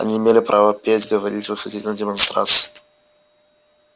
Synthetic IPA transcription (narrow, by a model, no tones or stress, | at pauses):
ɐ̰nʲiɪmʲelʲɪpɾʔavəpʲetʲɡəvɐɾʲitʲvəsʲɪdʲitʲnədʲɪmɐnst̪ɾa̰t̪sɨ̥